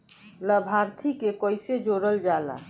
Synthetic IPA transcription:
ləbʱaɾt̪ʰikekəjsed͡ʒoɾəld͡ʒala̰

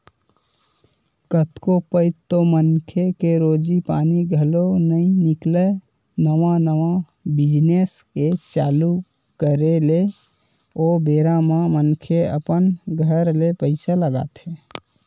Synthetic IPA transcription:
kət̪kopəɪt̪ːomənkʰekeɾod͡ʒipaniɡʱəlonəĩnikle | nəʋanəʋa | bid͡ʒnesket͡ʃalu | kəɾele | obeɾamemənkʰeə̰pənɡʱəɾlepəɪsaləɡa̰t̪ɦe

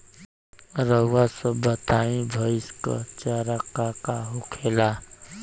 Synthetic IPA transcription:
ɾəwasəbət̪aːĩbʱəɪskə̰t͡ʃaɾakakaɦʊkʰela

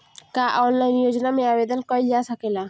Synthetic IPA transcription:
kaʔɔnlajnijod͡ʑonameabed̪onkɔed͡ʑat̪ʰakela

